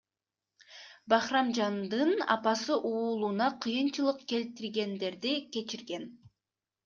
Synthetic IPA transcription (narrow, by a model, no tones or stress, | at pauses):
bɑχrɑmd͡ʒɑnd̪ɯnɑ̰pɑsɯʔuːlˠunɑqʰɯjɯnt͡ʃɯlˠɯqke̞lt̪iɾɡe̞nd̪e̞ɾd̪ikʲe̞t͡ʃiɾɡe̞n